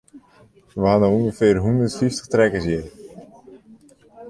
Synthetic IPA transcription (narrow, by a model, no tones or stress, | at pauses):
ʋəɦanəuŋɡəfɪrɦundərtfiftə̥xtrɛkəsjɪ